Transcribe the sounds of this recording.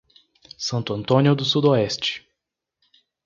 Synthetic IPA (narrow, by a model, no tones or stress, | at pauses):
sɐ̃nt̪ʊɐ̃nt̪õniʊd̪ʊsud̪oɛst͡ʃɪ̥